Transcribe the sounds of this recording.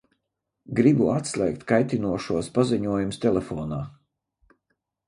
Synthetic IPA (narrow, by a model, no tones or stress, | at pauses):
ɡɾibuat̪slʲˠɛ̰jk̚t̪kajt̪inuɔʃuɔspaziɲuɔjumst̪ʲelʲefɔːnaː